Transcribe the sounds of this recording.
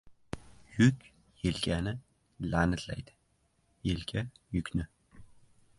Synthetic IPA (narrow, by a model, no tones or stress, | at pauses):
jʊkʲ | jelkʲʰanɪ | lanɪt̪ʰla̰jd̪ɪ̥ | jelkʲʰajʊkʲnɪ